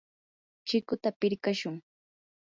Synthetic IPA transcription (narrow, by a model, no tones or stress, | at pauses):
t͡ʃɪkʊt̪apɪɾkaʃʊŋ